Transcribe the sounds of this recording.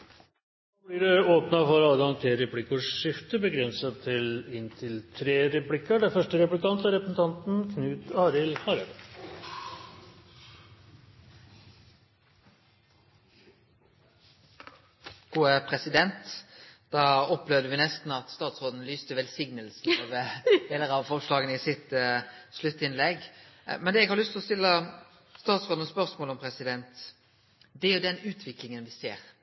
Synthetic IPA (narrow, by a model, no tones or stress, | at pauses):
oːb̪iːɖɛoːpnɑfɔɾɑləɡɑŋt̪ʰeɾɛpʰlɪkəʂʂɪft̪əbəɡɾɛnsɑt̪ʰɪlɪnt̪ʰɪlt̪ʰɾeːɾɛplɪkəɖɛfœʂʈəɾɛplɪk̪ɑnt̪æɾɛpɾəsn̩t̪ʰɑnt̪n̩kʰnʉːt̪ɑːɾɪlhɑɾəɾ | ɡ̥uːəpʰɾɛsɪd̪ɛnt̪d̪̥ɑːɔplɛʋd̪əʋɪnɛst̪n̩ɑt̪st̪ɑːt̪sʁoːd̪n̩lyːst̪əʋɛlsɪŋnəlsn̩oʋəd̪eːləɾɑʋfɔʁʂlɑːɡənəɪsɪt̪slʉt̪ːɪnlɛɡ | mɛnd̪ɛɛɡhɑʁlʏst̪ʰɪlɔst̪ɪlːə | st̪ɑːt̪sʁoːd̪n̩spœʁsmoːlɔmpʰʁɛsɪd̪ɛnt̪ | d̪ɛæɾjʊd̪ɛnʉːt̪ʰʋɪklɪŋənʋɪseːʁ